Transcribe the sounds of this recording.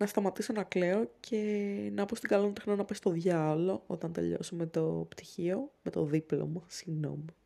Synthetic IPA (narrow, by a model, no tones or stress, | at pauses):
nɐst̪ɐmɐt̪isonɐkleo̞cʰe̞nɐpost̪iɡɐlonit̪exnonɐpest̪o̞ðʝɐlo̞o̞̰t̪ɐnt̪e̞̰ʎo̞̰sumet̪opt̪i̥çiomet̪o̞ðiplo̰mosiɣno̞̰mi